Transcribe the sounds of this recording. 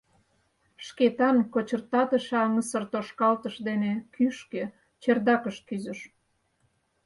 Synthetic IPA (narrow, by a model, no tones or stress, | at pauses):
ʃket̪ɑnkot͡ɕərt̪ɑt̪əʃɑŋəsərt̪oʃkɑlt̪əʃd̪enekʰyʃkø | t͡ɕerd̪ɑkəʃt̪̚kyzə̆ʃ